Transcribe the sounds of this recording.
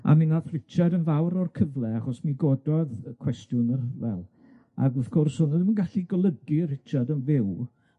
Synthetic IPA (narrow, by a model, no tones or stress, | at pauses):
a̰minaθr̥ɪt͡ʃʰadənvawɾɔrkʰəvlˠɛaχɔsmiɡɔdɔðkʰwɛstjʊnərvɛ̰lˠ | a̰ɡɔfkʰʊrshʊnədmənɡaɬiɡɔlˠəɡirɪt͡ʃʰadənvɪw